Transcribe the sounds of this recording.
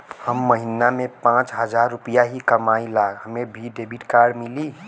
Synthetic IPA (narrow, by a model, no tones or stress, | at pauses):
həmːəɦinamẽpãt͡ʃɦəd͡ʒaɾːupijaɦikəmailaːɡɦəmebʱiɖebʱiʈkaɾmili